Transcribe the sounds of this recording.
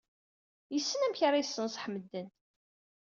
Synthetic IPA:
jəsːənæmçaɾajəsːənsħmːəd̪ːən

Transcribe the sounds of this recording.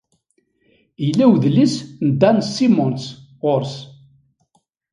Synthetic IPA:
ijlːæwðlisnd̪ænsːimʊnsʁʊɾs

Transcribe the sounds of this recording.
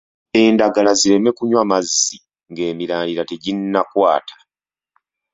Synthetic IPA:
e̞ːndaɡalaziɾe̞me̞kuɲwamazːi | ŋɡe̞ːmiɾaːndiɾate̞ɟinːakwaːtʰḁ

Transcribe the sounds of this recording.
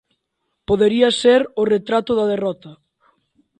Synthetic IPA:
poðeɾiɐseɾʊret̪ɾat̪ʊðɐðerɔt̪ɐ

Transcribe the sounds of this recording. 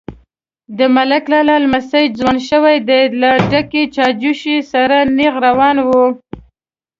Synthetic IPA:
d̪əmalaklalalmasajzwanʃəwajd̪ejlaɖaket͡ʃɑd͡ʒuʃisaɾaneɣɾawɑnwu

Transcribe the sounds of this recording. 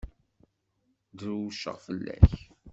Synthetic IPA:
d̪ɾuʃːə̰ʁfəlːæ̰ç

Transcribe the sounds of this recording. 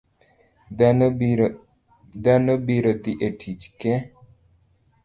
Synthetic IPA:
d̪anəbiɾət̪iʔeʈʰit͡ʃke

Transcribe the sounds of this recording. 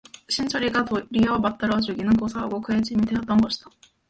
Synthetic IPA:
ɕʰint͡ɕʰʌɾiɡatoɾijʌmat͈ɯɾʌd͡ʑuɡinɯnkosʰɯɦaɡok͈ʰɯed͡ʑimideʌt͈̚ʌnɡʌɕʰi̥d̥a

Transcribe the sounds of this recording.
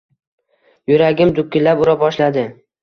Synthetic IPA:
jʊɾaɡʲɪmd̪ʊk̚ʲːɪlapʊɾabɒʃlad̪ɪ

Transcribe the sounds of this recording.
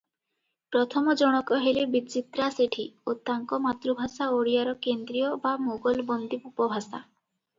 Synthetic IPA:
pɾɔt̪ʰɔmɔd͡ʒɔɽ̃ɔkɔɦelebit͡ʃit̪ɾaseʈʰiot̪aŋkɔmat̪ɾubʱasaoɽijaɾɔkend̪ɾijɔbamoɡɔlbɔnd̪ipupɔbʱasa̰

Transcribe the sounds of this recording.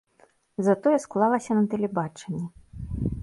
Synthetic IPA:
zɐt̪ɔjɛsklˠalˠɐsʲɐnɐt̪ɛlʲɛbat͡ʂɛnʲːɛ

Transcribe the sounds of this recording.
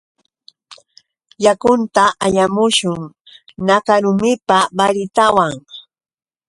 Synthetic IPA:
jakʊnt̪aʔaʎamʊʃʊŋ | nakaɾʊmɪpabaɾɪt̪awaŋ

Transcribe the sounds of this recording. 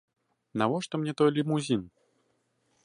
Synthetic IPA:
navɔʂt̪ɔmnʲɛt̪ɔjlʲimuzʲin

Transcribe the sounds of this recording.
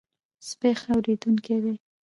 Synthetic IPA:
spexawɾed̪uŋked̪e

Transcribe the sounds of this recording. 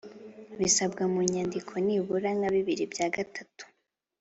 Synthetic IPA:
βisabɡamuɲandikʰoniβuɾaŋaβiβiɾibjaːɡatatu̥

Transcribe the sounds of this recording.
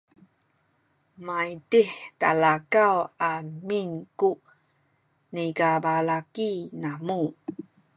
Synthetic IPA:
majdiħtalakawaminku | niɡabalakinamu

